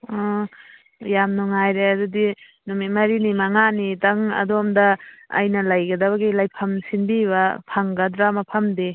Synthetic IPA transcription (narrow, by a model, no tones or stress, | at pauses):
ɔ | jamnuŋajɾeadudi | numit̚mɐɾinimaŋanitaŋɐ̰doɔmdɐ̰ːjnɐlajɡɐdɐβaɡilajpʰɐmsinbiβapʰaŋɡɐdɾamapʰɐmdi